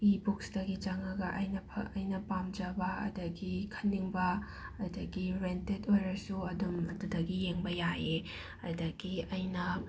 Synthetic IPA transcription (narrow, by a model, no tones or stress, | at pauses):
ibuksdɐɡid͡ʒɐŋɐɡɐʔɐjnɐpʰɐɐjnɐpamd͡ʒɐbɐɐ̰dɐɡikʰɐ̥nːiŋbɐː | dɐɡiɾentetojɾɐsuɐdumɐdudɐɡijeŋbɐjaje | ɐdɐɡiɐjnɐ